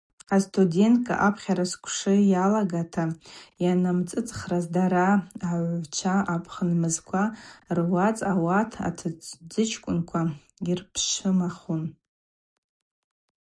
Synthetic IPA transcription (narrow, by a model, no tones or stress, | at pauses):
astʰude̞ntkʼa̰ʔapʰχʲaɾaskʷʰʂɨjalaɡatʰajanamt͡sʼɨt͡sʼχrazdaɾaaʕʷt͡ʃʷʰaʔapʰχənmɨzkʷʰarwat͡sʼawatʰa̰tʰɨt͡sd͡zɨt͡ʃʰkʷʼʊnkʷʰa | irpʰʂɨmaχun